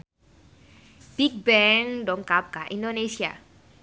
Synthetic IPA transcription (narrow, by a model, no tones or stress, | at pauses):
b̥ik̚bɛŋdɔŋkap̚kaʔindonesia̰